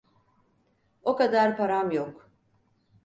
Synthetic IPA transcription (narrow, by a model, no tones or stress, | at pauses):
okad̪aɾpʰaɾamjok